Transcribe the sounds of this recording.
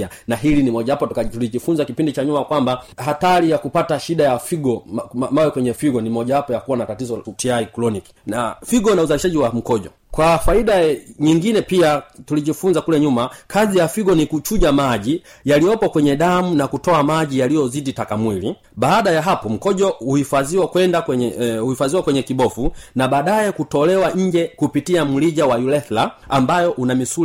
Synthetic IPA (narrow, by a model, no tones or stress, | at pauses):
anaɦilinimɔʄaapɔatuliʄifunzakipindit͡ʃaɲumakwambahatalijakupataʃiɗajafiɡɔmamawɛkwɛɲɛfiɡɔnimɔʄawapɔjakuwanatatizɔtiaɾiklɔniki̥nafiɡɔnauzaliʃaʄiwam̩kɔʄɔ | kwafaiɗaɲiŋɡinɛpiatuliʄifunzakulɛɲumakʰazijafiɡɔnikut͡ʃuʄamaʄijalijɔpɔkwɛɲɛɗamunakutɔamaʄijalijɔziditakamwili | ɓaːɗajaɦapɔm̩kɔʄɔuhifaziwakwɛndaɛhuhifaziwakwɛɲɛkiɓɔfunaɓaːɗaɛkutɔlɛwaɲ̩d͡ʒɛkupitiam̩liʄawajulɛθlaːmbajɔʔunamisu